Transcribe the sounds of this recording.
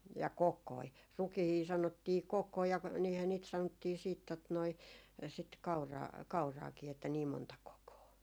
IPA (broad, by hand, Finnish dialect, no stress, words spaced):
jɑ kokˑoi rukihiː sɑnotːiː kokːoi jɑ niːhæ niːt sɑnotːiː siːt tot noi sit kɑurɑː kɑurɑːkiː etːæ niːm montɑ kokoː